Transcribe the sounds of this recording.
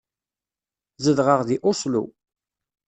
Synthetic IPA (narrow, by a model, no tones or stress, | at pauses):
zəðʁəʁðiʔʊsˤlṵ